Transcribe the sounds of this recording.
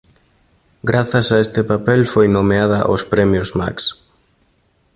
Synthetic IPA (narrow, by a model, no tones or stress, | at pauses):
ɡɾaθɐsaest̪ɪpapɛlfojnomeaðɐʔospɾɛmjʊzma̰ks